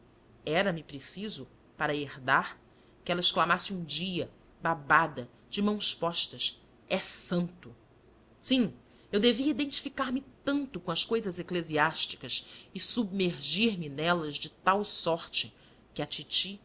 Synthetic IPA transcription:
ɛɾɐmɪpɾesizʊ | paɾɐeɾd̪aɾ | kɪɛlɐɪʃklamasɪũd͡ʒiɐ | babad̪ɐ | d͡ʒɪmɐ̃w̃spɔʃt̪ɐs | ɛsɐ̃nt̪ʊ | sĩ | ewd̪eviɐid̪ẽnt͡ʃi̥fikaɾmɪt̪ɐ̃nt̪ʊkõɐskojzɐzekleziaʃt͡ʃi̥kɐsɪsubmeɾʒiɾmɪnɛlɐzd͡ʒɪt̪awsɔɾt͡ʃɪ | kɪɐt͡ʃit͡ʃi

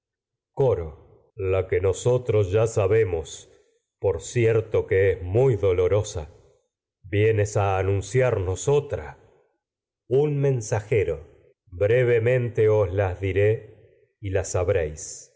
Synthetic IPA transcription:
ko̞ɾo̞ | lakeno̞so̞t̪ɾosʒasaβe̞mos | po̞ɾsjeɾt̪okeezmujðo̞lo̞ɾo̞sa | bjenesaːnũnsjaɾno̞sot̪ɾa | unmẽ̞nsaxeɾo | bɾeβ̞emẽ̞nt̪e̞oslazðiɾe̞ | ilasaβɾejs

